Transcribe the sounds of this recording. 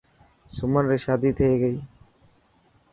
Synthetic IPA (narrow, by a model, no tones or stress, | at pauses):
sʊmənɾeʃaːd̪iːt̪ʰeeɡəiː